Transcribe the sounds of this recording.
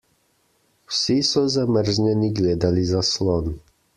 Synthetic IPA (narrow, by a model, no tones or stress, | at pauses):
wsisuzamr̩ʒɲɛniɡlɛd̪alizaslˠon